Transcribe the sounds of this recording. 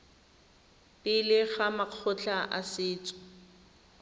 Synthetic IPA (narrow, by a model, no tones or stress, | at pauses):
pʼɪlɪχamaq͡χʰʊt͡ɬʰaʔasɪːt͡sʼʊ̥